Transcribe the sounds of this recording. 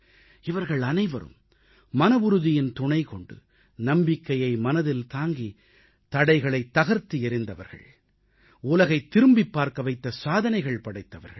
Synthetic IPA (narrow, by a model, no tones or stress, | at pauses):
ɪʋɐɾɣɐɭɐnɐɪʋɐ̰ɾɯ̰mː | ɐnɐʋʊɾɯðɪjɪnt̪ʊɳɐɪkɔɳɖɯ̰ | nɐmbɪkːɐjɐɪmɐnɐðɪlt̪aːŋɡi | t̪ɐɽɐɪɣɐɭɐɪt̪ːɐɣɐɾt̪iɛɾɪnd̪ɐʋɐ̰ɾɣɐ̰ɭ | ʊlɐɣɐɪt̪ːɪɾɯmbɪpːaːɾkɐʋɐɪt̪ːɐsaːðɐnɐɪɣɐɭpɐɽɐɪt̪ːɐʋɐ̰ɾɣɐ̰ɭ